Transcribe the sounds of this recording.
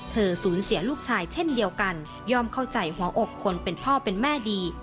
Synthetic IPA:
t̪ʰɤː˧suː˩˦nsi˩˦ɐluː˥˩k̚t͡ɕʰaː˧jt͡ɕʰe˥˩ndi˧əwka˧n | jɔː˥˩mkʰa˥˩wt͡ɕa˧jhu˩˦ɐʔo˨˩kʰːo˧npe˧npʰɔː˥˩pe˧nmɛː˥˩diː˧

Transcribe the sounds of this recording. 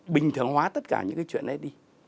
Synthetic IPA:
ɓï˨˩ŋ̟t̪ʰɨ˨˩əŋhwaː˨˦t̪ə˦˥t̚kaː˧˩ɲɨ̰˧˥ŋkaː˨˦t͡ɕwḭ˧˨ə˨nɗə˨˦ɗi˧

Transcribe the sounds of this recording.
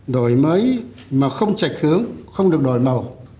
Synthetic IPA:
ɗo˧˩jməː˨˦j | maː˨˩xə˧wŋ͡mt͡ɕa˨˩jk̚hɨ˨˦əŋxə˧wŋ͡mɗɨ˨˩ək̚ɗo˧˩jmə˨˩w

